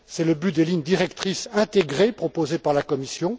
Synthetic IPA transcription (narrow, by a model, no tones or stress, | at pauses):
sɛləbyd̪eliɲd̪iʁɛkt̪χisɛ̃t̪eɡʁepχɔpozepaʁlakɔmisjɔ̃